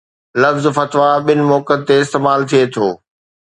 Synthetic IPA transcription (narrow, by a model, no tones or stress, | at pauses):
lɐfzfɐt̪ʋaɓɪnɪ̆mɔːkət̪ːeɪst̪eːmaːlt̪ʰiet̪ʰoː